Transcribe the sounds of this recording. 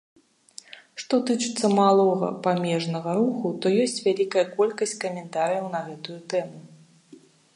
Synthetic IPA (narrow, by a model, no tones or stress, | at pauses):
ʂt̪ɔt̪ɨt͡ʂɨt̪sːɐmalˠɔɣɐ̰pamʲɛʐnɐɣɐɾuxut̪ɔjɔsʲt͡sʲvʲalʲikɐjɐkɔlʲkɐsʲt͡sʲkɐmʲɛnt̪aɾɨjɐwn̪ɐɣɛt̪ujut̪ɛmu